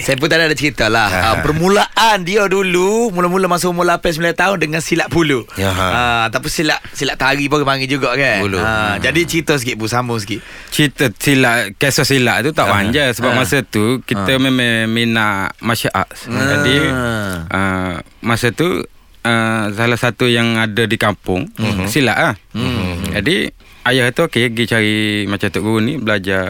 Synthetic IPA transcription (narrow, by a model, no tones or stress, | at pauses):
sajəp̬unt̪adiadat͡ʃəɾit̪alahəmpərmulaʔandiadulumulamulamasuumulapas̬milant̪aʊndəŋansilaʔpuluəat̪apunsilaʔsilaʔt̪aɾipukəpaŋid͡ʒuɡaʔkanuluəd͡ʒadit͡ʃəɾit̪ɔs̬əkiʔbusamʊŋsəkiʔ | t͡ʃit̪əsilaʔkesɔsilaʔt̪ut̪aʔwaɲd͡ʒasəbapmasət̪ukit̪əmememinaʔmaʃaʔa̰ʔsd͡ʒadi | ʔə | masət̪u | əsalahsat̪ujaŋadədikampʊŋsilaʔah | d͡ʒadi | ajahit̪uokeɡit͡ʃaɾimat͡ʃat̪uʔɡuɾunibəlad͡ʒa